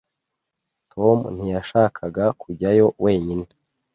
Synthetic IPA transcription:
tʰo̞mun̥ijaʃaːkʰaɡakʰuɟajo̞wʔe̞ːɲine

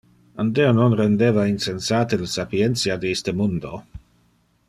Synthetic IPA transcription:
and̪eononɾend̪eːvainsensaːt̪eləsapient̪siad̪eist̪əmund̪o

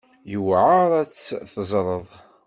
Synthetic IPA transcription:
jəwʕəɾˤæt͡sːθəzˤɾˤəðˤ

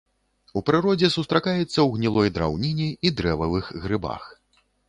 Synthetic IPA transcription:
upɾɨɾɔd͡zʲɛsust̪ɾakajɛt̪sːɐwɣnʲilˠɔjd̪ɾa̰wnʲinʲiid̪ɾɛvɐvɨxɣɾɨba̰x

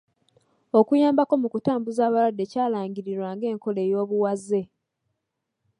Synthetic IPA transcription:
o̞kujaːmbako̞mukutaːmbuzaːβaɾadːe̞caːlaːɲɟiɾiɾwaːŋɡe̞ːŋko̞le̞ːjo̞ːβuwazːe̞

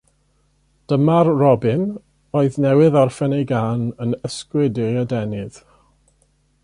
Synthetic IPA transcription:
d̥əmarrɔbɪn | oːɨðnɛwɪðɔrfɛnejɡaːnənəskwɨdɪjadɛnɨð̥

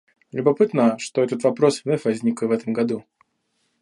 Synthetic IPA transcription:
lʲʊbɐpɨt̪nəʂt̪o̞ɛt̪ət̪vɐpɾo̞snʲɛfʲvɐzʲnʲikəvɛt̪əmɡɐd̪u

